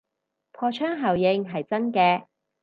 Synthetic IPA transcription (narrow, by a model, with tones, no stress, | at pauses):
pʰɔː˧t͡ʃʰœː˥ŋɦɐ˨˩wjɪ˧ŋɦɐ˨jt͡sɐ˥nkɛː˧